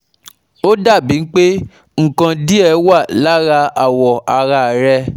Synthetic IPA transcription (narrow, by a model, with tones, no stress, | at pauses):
o˦da˦˨bi˨˦n̩˦k͡pe˦ | ŋ̩˨kã˧di˦ɛ˧˦wa˦˨la˦ɾa˧a˨wɔ˨a˧ɾa˧˨ɾɛ˧